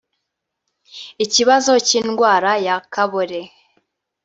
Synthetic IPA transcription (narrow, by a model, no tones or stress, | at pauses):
iciβazo̞ciːnɡwaːɾajakaβoɾe